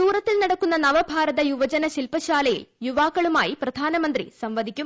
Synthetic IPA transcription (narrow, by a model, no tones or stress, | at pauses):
uːɾɐt̪ːilnɐɽɐkːunːɐnɐʋɐbʱaːɾɐd̪ɐjuʋɐd͡ʒɐnɐʃilpɐʃaːlɐjḛjuʋaːkɐɭumaːjipɾɐd̪ʱaːnɐmɐnt̪ɾḭsɐmʋɐd̪ʱikʲːjum